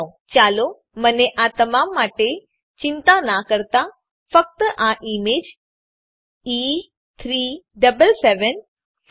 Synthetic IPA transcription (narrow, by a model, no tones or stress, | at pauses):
t͡ɕaːlo | məneʔat̪ɐmaːmːaːʈe | t͡ɕint̪anakəɾt̪a | fək̚t̪əʔãʔimeːd͡ʑ | i | t̪ʰɾiːɖəbəlseːʋən